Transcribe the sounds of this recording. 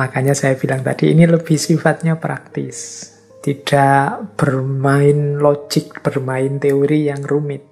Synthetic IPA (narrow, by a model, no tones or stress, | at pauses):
makaɲasajab̥ilaŋt̪a̰d̥ḭːniləb̥ɪhsifat̪̚ɲapɾa̰k̚t̪ɪs | t̪id̥aʔb̥ərmaɪnlod͡ʒɪk̚b̥ərmaɪnt̪eoɾijaŋrumɪt̪̚